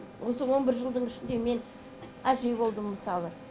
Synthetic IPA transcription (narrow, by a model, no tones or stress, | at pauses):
wʔosəwo̞nbɪɾʒəlˠd̪əɴɪʃɪnd̪e̞me̞n | æʒe̞bo̞lˠd̪əmːəsɑlˠə